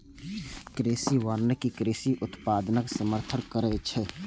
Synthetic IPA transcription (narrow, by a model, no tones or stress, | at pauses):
kɾeːsiʋaːɾnəkikɾeːsiʔʊt̪paːd̪nəksəməɾt̪ʰənkəɾɛt͡ʃʰɛ